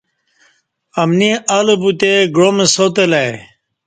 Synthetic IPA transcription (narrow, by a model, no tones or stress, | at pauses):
ɐmniʔɐlobut̪eɡɾomesot̪elaj